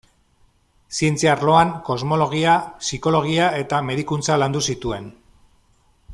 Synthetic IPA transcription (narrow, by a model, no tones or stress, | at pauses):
sie̞nt͡siaɾlo̞aŋko̞zmo̞lo̞ɣ̞iasiko̞lo̞ɣiae̞t̪ame̞ðikunt͡saland̪usit̪ue̞n